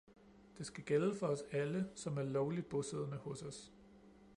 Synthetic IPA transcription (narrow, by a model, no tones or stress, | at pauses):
d̥e̝sɡ̥æɡ̥eləfɒ̽ɒ̽sæləsɒ̽mæɐlɒʊlid̥̚b̥ɔseðˠnəhɔ̽sɒ̽s